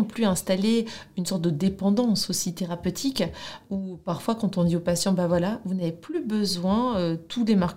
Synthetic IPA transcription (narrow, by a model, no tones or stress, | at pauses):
plyɛ̃st̪aleynsɔʁt̪̚d̪əd̪epɑ̃d̪ɑ̃sosit̪eʁapøt̪ʰikupaʁfwakɑ̃t̪ɔ̃d̪iopasjɑ̃bavwalavunaveplybəzwɛ̃øt̪ʰulemaʁk